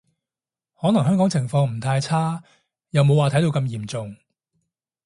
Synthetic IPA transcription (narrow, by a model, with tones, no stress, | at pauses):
hɔː˨˥nɐ˨˩ŋɦœː˥ŋkɔː˨˥ŋt͡sʰɪ˨˩ŋfɔː˧ŋm̩˨˩t̪ʰaː˧jt͡sʰaː˥ | jɐ˨wmo˨˧waː˨t̪ʰɐ˨˥jt̪o˧wkɐ˧mjiː˨˩mt͡sʊ˨ŋ